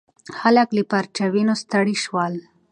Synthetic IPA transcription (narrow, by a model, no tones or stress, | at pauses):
xalaklipaɾt͡ʃawinost̪aɽiʃwal